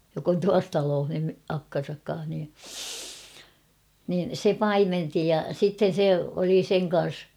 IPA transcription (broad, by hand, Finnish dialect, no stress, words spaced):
jok on tuɑs tɑloːh ny ɑkːɑn̞sɑk kɑ̃ːh ni nin̞ se pɑimenti jɑ sitːen̞ se oli seŋ kɑ̃ːs